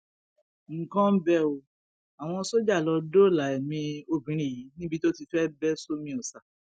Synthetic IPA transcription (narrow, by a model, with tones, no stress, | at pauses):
ŋ̩˦˨kɔ̃˦m̩˦bɛ˦o˧ | a˨w̃ɔ̃˧so˦d͡ʒa˦˨lɔ˧do˦˨la˨˦ɛ˨mĩ˧o˧bĩ˨˦ɾ̃ĩ˨ji˨˦nĩ˦bi˧to˦ti˧fɛ˦bɛ˦so˦mĩ˧˦o˨sa˨